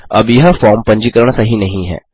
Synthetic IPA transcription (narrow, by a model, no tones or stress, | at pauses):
ɐbjɪɦafʰɔːɾmpə̃ɲd͡ʒiːkəɾɳasɐɦĩnɐɦĩɦɛ̰ː